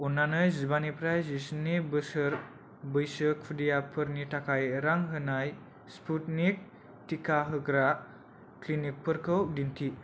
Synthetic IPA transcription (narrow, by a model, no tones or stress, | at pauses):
ɔnanɯjzibanipɾajzisnibɯsɯɾ | bɯjsɯkʰudijapʰɯɾnitakʰajɾaŋɦɯnaj | spʰutnik̚ | tikaɦɯɡɾa | klinik̚pʰɯɾkʰɯwdintʰi